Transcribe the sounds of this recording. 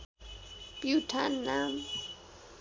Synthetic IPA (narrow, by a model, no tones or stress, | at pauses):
pjutʰanːam